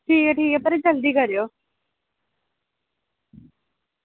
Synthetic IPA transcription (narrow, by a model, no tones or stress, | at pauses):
ʈʰiːkɛʈʰiːkɛpəɾed͡ʒəld̪iːkəɾejoː